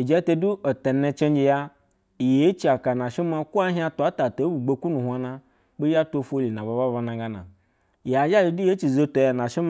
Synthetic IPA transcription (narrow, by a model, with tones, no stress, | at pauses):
i˨d͡ʒe˨˦te˧du˦o˨te˨ne˧t͡ʃe˦nd͡ʒe˧ja˦˨ | je˨˦t͡ʃi˦a˨ka˨na˨ʃi˦ma˧ku˦a˦ɦi˦a˧tu˨a˨˦ta˨to˨˦bu˨ɡ͡bo˦ku˦nu˨hʷa˧na˧ | k͡pe˦a˦to˧fo˦li˨na˨ba˨ba˦βa˧na˨ɡa˦na̰˨ | ja˨d͡ʒa˦˨ji˧de˨˦t͡ʃi˨zo˧to˨ja˨na˨ʃi˦m˦